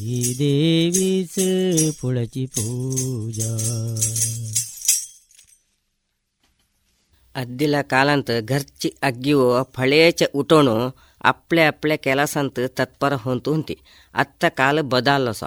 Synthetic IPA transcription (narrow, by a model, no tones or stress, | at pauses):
id̪eʋispʰuɭɐt͡ʃipud͡ʒa | ɐd̪ːilɐkaːlɐnt̪ɨɡʱɐɾt͡ʃiɐɡːiʋoːpʰɐɭeːt͡ʃɐʔuʈoɳu | ɐ̰pɭeɐpɭekɛlɐsɐnt̪ɨt̪ɐt̪̚pɐɾɐɦont̪unt̪ḭ | ɐ̰t̪ːɐkaːlɨbɐd̪aːlːosɐ̰